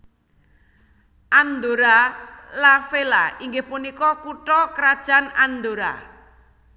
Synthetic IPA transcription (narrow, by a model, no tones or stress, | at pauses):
ʔand̪oɾalafela̰iŋɡehpunikɔkuʈɔkɾad̥ʒ̥anand̪oɾa̰